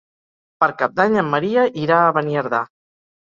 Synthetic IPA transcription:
pəɾkap̚d̪aɲəmːəɾiəʔiɾaːβəniəɾða

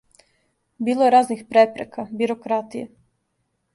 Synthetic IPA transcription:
biːlˠojeɾaːznixpɾepɾekabiɾokɾat̪ijḛ

